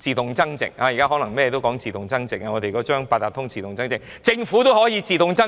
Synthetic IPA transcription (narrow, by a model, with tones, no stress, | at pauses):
t͡siː˨t̪ʊ˨ŋt͡sɐ˥ŋt͡sɪ̰˨k̚aː˧ji˨˩kaː˥ɦɔː˨˥nɐ˨˩ŋmɛ˥jɛ˧t̪o˥wkɔː˨˥ŋt͡siː˨t̪ʊ˨˩ŋt͡sɐ˥ŋt͡sɪ˨k̚a˧ŋɔː˨˧t̪e˨kɔː˨˥t͡ʃœː˥ŋpaː˧t̪ːaː˨˩t̪ʰʊ˥ŋt͡siː˨t̪ʊ˨ŋt͡sɐ˥ŋt͡sɪ˨ŋ | t͡sɪ˧ŋfuː˨˥t̪ɦɔː˨˥jiː˨˧t͡siː˨˧t̪ʊ˨˧ŋt͡sɐ˥